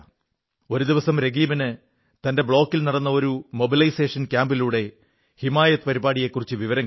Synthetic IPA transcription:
o̞ɾud̪iʋɐsɐmɾe̞ɡiːbɐnɨ | t̪ɐnde̞bɭo̞ːkːilnɐɽɐnːɐo̞ɾumo̞bilɐjseːʂɐnkʲjaːmbiluːɽe̞ | himaːjɐt̪ːɨpɐɾibaːɽije̞kːurit͡ɕːɨʋiʋɐɾɐŋː

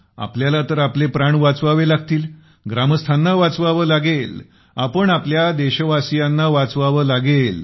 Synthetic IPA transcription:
a̰pljalat̪əɾaplepɾaɳʋat͡sʋaʋelaɡt̪iːl | ɡɾaməst̪ʰanːaʋat͡sʋaʋəːlaɡel | apəɳapljad̪eɕəʋasijanːaʋat͡sʋaʋəːlaɡel

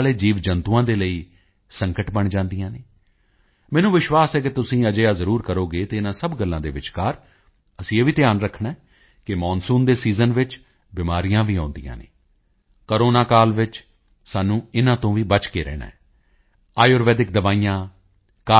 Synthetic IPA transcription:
leːd͡ʒiːʋd͡ʒənt̪uːãːd̪eːləiː | səŋkəʈbəɳd͡ʒãːnd̪ijãːneː | mɛːnũːʋɪʃʋaːsɛːk̬ɪt̪ʊsĩːəd͡ʒəjaːzəɾuːɾkəɾoːɡeːt̪eːɪnãːsəbɡəlːãːd̪eːʋɪt͡ʃkaːɾ | əsĩːeːʋiːt̪ɪjaːnɾəkʰːɳaɛː | kɪmɔːnsũːnd̪eːsiːzənʋɪt͡ʃ | bɪmaːɾijãːʋiːãːnd̪ḭjã̰ːnḛː | kəɾoːnaːkaːlʋɪt͡ʃ | saːnũːɪnãːt̪õːʋiːbət͡ʃkeːɾɛ̰ːnã̰ːɛː | aːjoːɾʋɛːd̪ɪk̚d̪əʋaːijãː | kaː

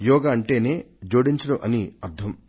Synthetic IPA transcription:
jɔːɡaːɐɳʈe̞ːne̞ː | d͡ʒoːɽiɲt͡ʃɐɽɐʔɐniɐɾt̪ʰːɐm

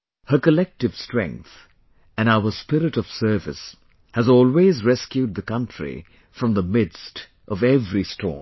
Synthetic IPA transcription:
hə˞kəlɛk̚tɨv̥stɹ̥ɛ̰̃ŋk̚θ | ɨ̃naʊə˞spɪɾɨɾʌv̥sɜ˞vɨ̰s | hɨzɔːlˠwezɹɛskjud̪̚ðəkʌ̃ntɹ̥ḭ | fɹʌ̃mðəmɪdst | ʔʌvɛvɹistʰɔ̰ː

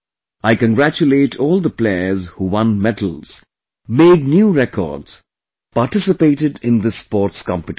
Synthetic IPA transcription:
aɪkə̃nɡɾæt͡ʃʊleːʈʰɔːlˠd̪əpleɪəzhuwʌ̃nmɛʈʰəl̩z̥ | meːɖ̚njuːɾɛkʰɔ̰ːɖz̥ | paɾʈɪsɨpeːʈɪɖɪ̃nd̪əspɔːʈskɑ̰̃mpɨʈ

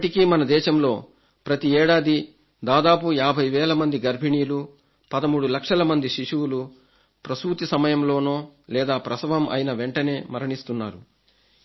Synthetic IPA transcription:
ʈikimɐnɐd̪ɛːʃɐmlo̞ː | pɾɐt̪iɛːɽaːd̪i | d̪aːd̪aːpujaːbʱɐjʋɛːlɐmɐnd̪iɡɐɾbʱiɳiːlu | pɐd̪ɐmuːɽulɐkʂɐlɐmɐnd̪iʃiʂuwlu | pɾɐsuːt̪isɐmɐjɐmlo̞ːnoːlɛːd̪aːpɾɐsɐʋɐmʔɐ̰jnɐʋeɳʈɐne̞ːmɐɾɐɳist̪unːaːɾu

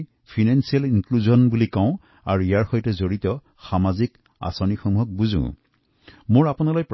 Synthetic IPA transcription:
pʰinansialinkluzɔnbulikaʊ̃ | a̰ɹuijaɹxɔjtɛzoɹitɔ | xamazik | a̰sɔnixɔmuɦɔk̚buzṵ̃ | moɹapunalɔjp

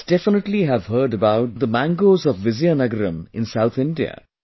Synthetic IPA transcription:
d̥ɛfɪnəʈliɦævɦəːɾɖəbaʊʈ̚d̪əmæ̃ŋɡoːzɔvːɪzijanʌɡəɾə̃mɪ̰̃nsaʊt̪ʰɪ̃ɳɖiə̰

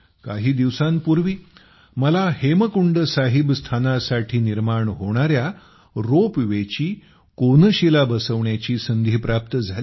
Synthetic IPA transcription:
kaɦiːd̪iʋsãnpuɾʋiː | məlaheməkuɳɖəsaɦibst̪ʰanasaʈʰiːniɾmaɳɦoɽ̃aɾja | ɾopʋet͡ɕiː | konəɕilabəsəʋɳjat͡ɕiːsənd̪ʱiːpɾap̚t̪əd͡zʱali

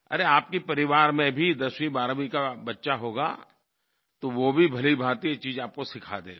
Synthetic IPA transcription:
ɐ̰ɾeaːp̚kipɐɾɪʋaːɾmẽbʱid̪ɐswĩbaːɾmikabɐtːʃaɦoːɡa̰ | t̪oʋobʱibʱɐlibʱaːt̪iet͡ʃiːzaːp̚kosɪkʰa̰ːd̪eː

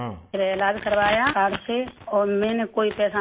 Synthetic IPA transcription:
eɾeelaːd͡ʒkəɾʋaːjakaːɾseɔːɾmɛ̃ːnekoːipɛːsa

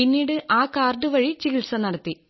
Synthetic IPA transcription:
inːiːɽɨʔaːkaːrɖɨʋɐɻit͡ɕiɣilsɐnɐɽɐt̪ːi

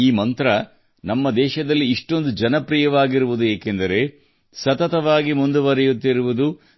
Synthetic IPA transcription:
iːmɐnt̪ɾɐ | nɐmːɐd̪ɛːʃɐd̪ɐlːiːʂʈo̞nd̪ud͡ʒɐnɐpɾijɐʋaːɡiɾuʋud̪ueːkend̪ɐɾe̞ | sɐt̪ɐt̪ɐʋaːɡimund̪uʋɐɾɛjut̪ːiɾuʋud̪u

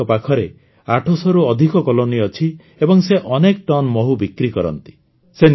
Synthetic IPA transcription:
ɔpakʰɔɾe | aʈʰɔsɔɾuɔd̪ʱikɔkɔloniɔt͡ʃʰi | ebɔŋseʔɔnek̚ʈɔnmɔɦubikɾikɔɾɔ̰nt̪i̥ | sen

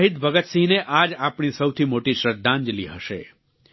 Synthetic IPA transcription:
ɦid̪bəɡət̪sineʔad͡ʒapɳ̃isəwt̪ʰimoʈiʃɾəɾd̪ãnd͡ʒliɦəʃḛ

